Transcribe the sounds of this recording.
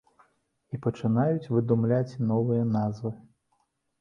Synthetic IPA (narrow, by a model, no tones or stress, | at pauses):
ipɐt͡ʂɨnajut͡sʲvɨd̪umlʲat͡sʲnɔvɨjɐnazvɨ